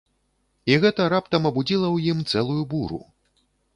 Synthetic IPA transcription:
iɣɛt̪ɐɾap̚t̪ɐmɐbud͡zʲilˠɐwjimt̪sɛlˠujubuɾṵ

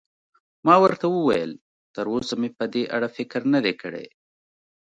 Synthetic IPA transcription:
mɑːwəɾt̪awuwa̰jə̰l | t̪əɾosamepəd̪eʔaɽafɪkɾnɐd̪ekəɽḛ

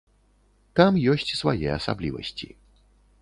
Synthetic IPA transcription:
t̪amjɔsʲt͡sʲsvajɛ̰ɐsablʲivɐ̰sʲt͡sʲi

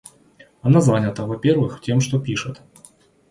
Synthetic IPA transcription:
ɐnazanʲət̪əvɐpʲervɨxtʲe̞mʂt̪opʲiʂɨt̪

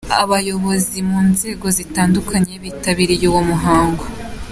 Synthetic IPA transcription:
a̰βajo̞βo̞zimuːnze̞ːɡo̞zitaːndukaɲe̞βiːtaβiɾijuwomuɦaːŋɡo

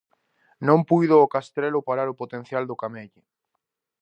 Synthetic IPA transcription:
nõmpujðʊːkast̪ɾelʊpaɾaɾʊpot̪en̟θjald̪ʊkameʎʊ

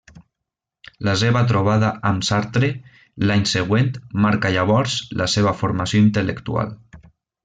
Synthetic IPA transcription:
las̬eβat̪̬ɾoβ̞aðaʔamsaɾt̪ɾe | laɲseɣ̞went̪maɾkaʎaβɔɾzlʔaseβ̞afoɾmasjoint̪əlekt̪ua̰l

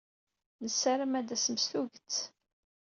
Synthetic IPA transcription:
nəsːaɾəmæd̪æsəmsθuʝt͡s

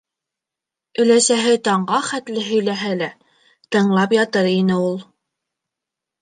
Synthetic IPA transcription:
ɵ̆læsæɦɘt̪ɑɴɢɑχæt̪lɘɦɵ̆jlæɦælæ | t̪ɤ̆ɴlˠɑpjɑt̪ɤɾinɘulˠ

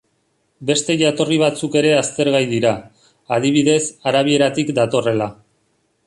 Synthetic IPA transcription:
be̞st̪e̞ʝat̪o̞riβ̞at͡suke̞ɾe̞ast̪e̞ɾɣajðiɾaː | ðiβ̞iðe̞saɾaβ̞ie̞ɾat̪ikd̪at̪o̞re̞la

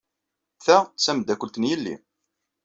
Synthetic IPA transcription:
θæt͡sːæmd̪ækʷːəlt̪njəlːḭ

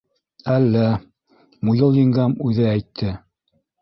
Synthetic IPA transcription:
ælːæ | mujɤlˠjɤ̆ŋɡɑmʉðɘæjt̪ʰːɘ

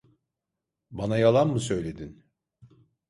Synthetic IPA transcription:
banajalˠanmɯsø̞jlʲe̞d̪in

